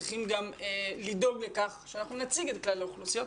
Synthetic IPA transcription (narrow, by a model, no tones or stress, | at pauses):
iχimɡamelido̞ɡlekaχʃeanaχnunat͡siɡet̪klaleuχlusijo̞t